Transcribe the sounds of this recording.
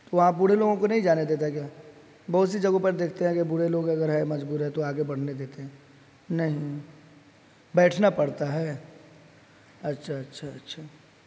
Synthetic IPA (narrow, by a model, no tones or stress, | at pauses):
t̪oʋɐɦãbʊɽ̤eloːɡõkonɐɦĩd͡ʒaːned̪eːt̪aɦɛk̬jaː | bɐɦʊt̪sid͡ʒɐɡõpɐɾd̪eːkʰt̪eɦɛ̃kebʊɽ̤eloːɡɐɡəɾɦɛmɐd͡ʒbuːɾɦɛ̃t̪oaːɡebɐɽ̤ned̪eːt̪eɦɛ̃ | nɐɦĩ | bɛːʈʰnapɐɽt̪aɦɛː | ɐtːʃʰaɐtːʃʰaɐtːʃʰaː